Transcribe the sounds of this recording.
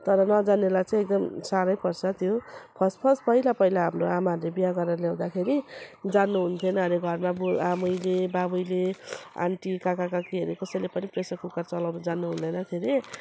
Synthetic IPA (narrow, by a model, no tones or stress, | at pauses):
t̪ʌɾʌnʌd͡zanelajt͡saĩek̚d̪ʌmsaɾʌjpʌrt͡sʰʌt̪jopʰʌspʰʌspʌɦilapʌɦilaɦamroamaɾlebijaɡʌɾʌljaw̃d̪akʰeɾid͡zanːuɦunt̪ʰʌnʌɦʌɾeɡʱʌɾmabuamujlebabujlea̰ɳʈikakakakiɦʌɾukʌsʌjlepʌnipresʌkukart͡sʌlawnud͡zanːuɦund̪ʌjnʌkʰeɾi